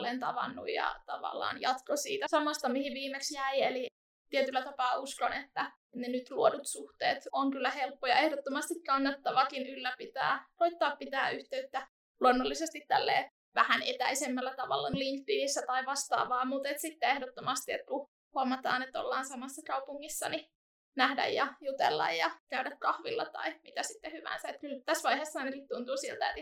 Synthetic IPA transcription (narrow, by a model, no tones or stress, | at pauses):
lent̪ɑ̰ʋɑ̰nːṵjjɑ̰t̪ɑʋɑ̰lːɑ̰ːnjɑt̪kosḭːt̪æsɑmɑst̪ɑmihiʋiːmeksjæieli | t̪iet̪ylːæt̪ɑpɑːuskonet̪ːæ | nenyt̪luodut̪suht̪ḛːt̪oŋkylːæhelpːojɑ̰ehdot̪ːomɑst̪ikkɑnːɑt̪ːɑʋɑkinylːæpit̪æ̰ːroit̪ːɑːppit̪æːyht̪eyt̪ːæ | luonːolːisest̪it̪t̪ælːḛː | ʋæhænet̪æisemːælːæt̪ɑʋɑ̰lːɑnliŋk̚t̪inisːæt̪ɑiʋɑst̪ɑ̰ːʋɑːmut̪et̪sit̪ːeehdot̪ːomɑst̪iet̪̚ku | huɑmɑt̪ɑ̰ːnet̪ːo̰lːɑːnsɑmɑsːɑkɑupuŋːisːɑ̰ni | næhdæ̰jjɑjut̪ḛlːɑ̰jjɑkæydækkɑhʋḭlːɑt̪ɑ̰imit̪æsit̪ːehyʋæ̰ːnsæet̪kylt̪æsʋɑihesːɑinekit̪t̪unt̪uːsilt̪æḛt̪